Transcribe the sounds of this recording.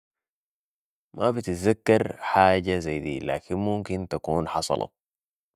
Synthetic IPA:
mʔabit̪izakːɑɾħaːɟazajd̪ḭːla̰ːkinmumkint̪akuːnħɑsˤɑ̰lʔɑ̰

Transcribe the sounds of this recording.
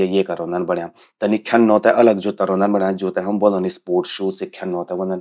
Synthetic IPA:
ejeːkɐɾõːnd̪ənbɐɽjãː | t̪ɐnikʰɐnːɔ̃ːt̪ɛʔɐləɡd͡ʒoːt̪ɐɾõːnd̪ənbɐɽjãːd͡ʒuːt̪ɛ̃ɦɐmbod̪õnispoːɾʈʃuːsekʰɐnːɔ̃ːt̪ɛ̃bõnd̪ən

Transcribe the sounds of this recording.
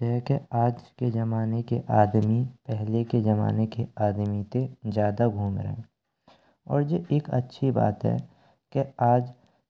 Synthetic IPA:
ɦɛkeaːd͡ʒked͡ʒɐmaːnekeʔaːd̪mipɛɦleked͡ʒɐma̰ːnekeaːd̪mit̪ezjaːd̪aɡʱuːmɾə̰ɦḛ̃ː | ɔːɾjeʔeːkə̰tːʃʰiba̰ːt̪ɦɛ̰ | keaːd͡ʒ

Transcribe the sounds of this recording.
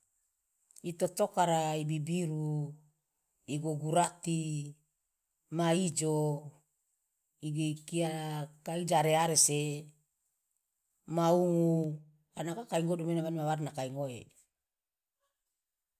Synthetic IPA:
it̪ot̪okaɾaibibiɾu | iɡoɡuɾat̪i | maid͡ʒo | iɡikiakaid͡ʒaɾeaɾese | mauŋu | anakakaiŋodumenamanmawarnakaiŋoḛ

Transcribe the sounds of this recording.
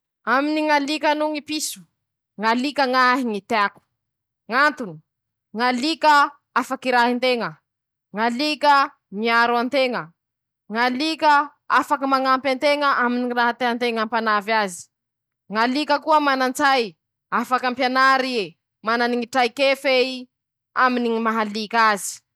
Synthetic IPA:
aminiŋalikanuŋipisu̥ | ŋalikəŋaɦiŋit̪eaku̥ | ŋant̪uni̥ | ŋalikə | afakiɾaɦint̪eŋə | ŋalikə | miaɾuant̪eŋə | ŋalikə | afakəmaŋampant̪eŋəʔaminiiraɦat̪eɦant̪eŋampanavazi̥ | ŋalikəkuəmanant͡saj | afakampjanaɾie | mananiŋiʈ͡ʂajkefei | aminiŋimaɦalikazi̥

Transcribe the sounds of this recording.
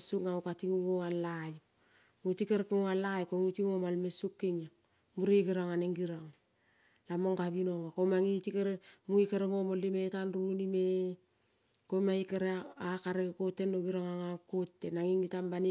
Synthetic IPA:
sukŋaukatiŋuɡoŋalaju | mutikeɾekŋoŋalajkoŋutiŋomalmesukːiŋa | muɾeɡiɾaŋaneŋɡiɾaŋ | lamoŋɡaβinoŋakomaŋitikeɾemuikeɾeŋomolːimetanɾunime | komaikeɾeakaɾekekotːenːoɡiɾaŋaŋakotːenaŋiŋitambani

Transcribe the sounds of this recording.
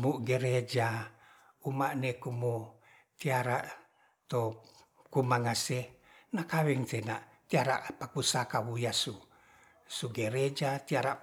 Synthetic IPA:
muɡɛɾed͡ʒa | umaʔnekumu | t̪iaɾaʔ | t̪o | kumaŋasenakawɛŋt̪enaʔt̪iaɾa̰ʔpakusakawujasu | suɡeɾed͡ʒat̪iaɾa

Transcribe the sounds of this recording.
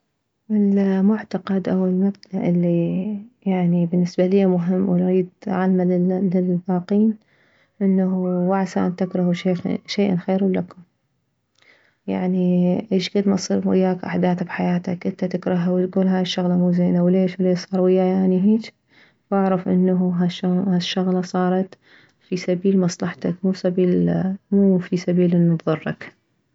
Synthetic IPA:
ʔɪlmʊʕt̪aɑqɑd̪ʔawɪlmab̚d̪aʔʔɪlːijaʕnibɪnːɪsbalijːamʊɦɪmːwɪnɾiːd̪ʕalmalɪlbaːqiːn | ʔɪnːawaʕsa̰ːnt̪ɪkɾˤɑhuʃeːxʃeːʔanxeːɾalːakʊm | ja̰ʕniʔeːʃɡad̪mat̪sˤiːɾwɪ̰jːaːkʔa̰ħd̪aːθabħajaːt̪a̰kʔɪnt̪at̪ɪkɾˤɑɦawɪt̪ɡuːlɦaːjɪʃːʊɣlamuːzeːnawleːʃwleːʃsˤɑːɾˤwɪjːajaʕniɦeːt͡ʃ | waʕɾˤɑfʔɪ̰nːaɦaʃahaʃːʊɣlɑsˤɑːɾˤɑt̪ | fisabiːlmɑsˤlɑħt̪akmuːsabiːlmuːfisabiːlʔɪnːʊt̪ðˤɨrˤːɑ̰k

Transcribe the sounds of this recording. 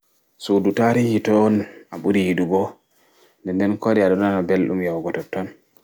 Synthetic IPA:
sudutaɾihitɔnaɓuɾiidubɔ | ndɛndɛnkoɾiaɗɔnanabelɗṵmjawɡɔtɔtːɔn

